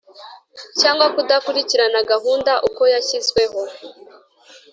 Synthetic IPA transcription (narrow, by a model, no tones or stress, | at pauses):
caːŋɡwakudakuɾiciɾanaɡaɦuːndaʔuko̞jaçizɡwe̞ɦo̞